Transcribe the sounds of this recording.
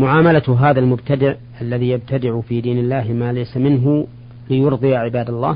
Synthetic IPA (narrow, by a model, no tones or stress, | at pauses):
mʊʕaːmalaɦaːðalmʊbt̪ad̪ɪʕ | ʔalːaðiːjab̚t̪ʰad̪ɪʕʊfiːd̪iːnɪlːaːhmaːlajsamɪnɦʊ | lɪjʊɾd̪ˤɨjaʕɪbaːd̪alˤːɑ̰ː